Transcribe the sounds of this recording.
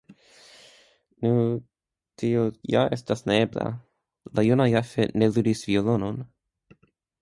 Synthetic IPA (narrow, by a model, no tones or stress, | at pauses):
nu | t̪iojaestasnaebla̰ | lajunajafeneludisviolonon